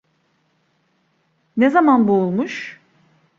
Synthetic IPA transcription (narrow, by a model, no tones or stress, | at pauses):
nezamanbuːlˠmuʃ